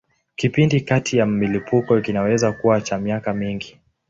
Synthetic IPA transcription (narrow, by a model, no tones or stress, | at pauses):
kipindikatʰijam̩milipukɔkinawɛzakuwat͡ʃamiakamiŋɡi